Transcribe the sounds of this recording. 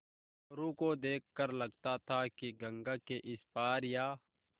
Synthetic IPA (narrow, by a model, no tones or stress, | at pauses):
ɾukod̪eːkʰːəɾlɐɡt̪at̪ʰakiɡɐ̃ŋɡakeʔɪspaːɾjaː